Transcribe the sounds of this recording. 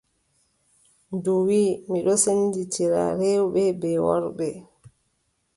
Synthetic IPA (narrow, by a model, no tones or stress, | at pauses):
duwiːmiɗɔsenditʰiɾa̰ɾewɓɛbɛwɔ̰ɾɓɛ